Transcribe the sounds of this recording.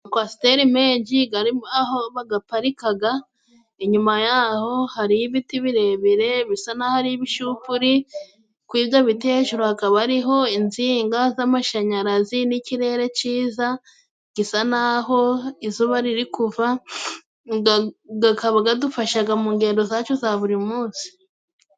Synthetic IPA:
kwasi̥teɾimeːɲɟiɡaiaɦoβaɡapaɾikaɡa | eɲumajaho̞haɾiβitiβiɾe̞βiɾe̞βisanahaɾiβiʃupuɾi | kwiːβjoβiteʒuɾohakaβaɾiɦo̞inziːŋɡazamaʃaɲaɾaziniciɾe̞ːɾe̞t͡ʃiːza | ɡisanaɦo̞izuβaɾiɾikuva | ɡɡakʰaβaɡadufaʃaɡamuːŋɡe̞ːndo̞zat͡ʃozaβuɾimuːnsi̥

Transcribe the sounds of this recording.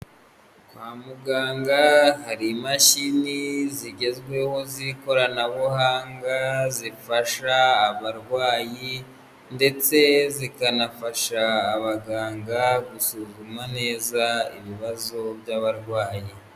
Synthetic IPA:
kwaːmuɡaːŋɡahaɾimaʃiniziɟe̞zɡwe̞ho̞ziko̞ɾanaβuhaːŋɡazifaʃaːβaɾɡwaːji | nde̞t͡se̞zikanafaʃaːβaɡaːŋɡaɡusuzumane̞ːzaḭβiβazo̞bjaβaɾɡwaːji

